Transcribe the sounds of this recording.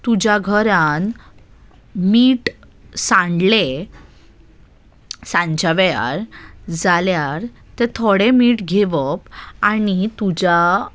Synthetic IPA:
t̪ud͡ʑaɡʱəɾan | miːʈ | sãɳɖle | sãɲt͡ɕaʋɛja̰ɾd͡zaljaɾ | t̪et̪ʰoɽemiːʈɡʱeʋəpanit̪ud͡ʑa

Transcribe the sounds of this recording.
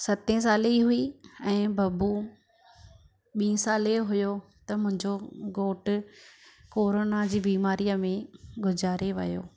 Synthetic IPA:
sɐt̪ẽs̬aːleɦʊiɛ̃ːbɐbu | ɓĩːə̃saːleɦʊjo | t̪ɐmʊ̃ɦɪ̃ɲd͡ʑoɡoːʈʊ | koːɾoːnad͡ʑiːbiːmaːɾijəmẽɡʱʊd͡ʑaːɾeʋɐ̰jo̰ː

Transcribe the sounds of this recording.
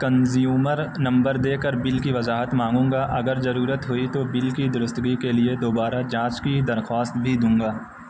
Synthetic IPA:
kɐ̃nzijuːməɾnɐ̃mbəɾd̪eːkəɾbɪlkiʋɐzaːɦət̪mãːŋɡũːŋɡaʔɐɡəɾzɐɾuːɾət̪ɦʊit̪obɪlkid̪ʊɾʊst̪ɡikelied̪oːbaːɾad͡ʒãːt͡ʃkid̪ɐɾxaːst̪bʱid̪ũːŋ̆ɡaː

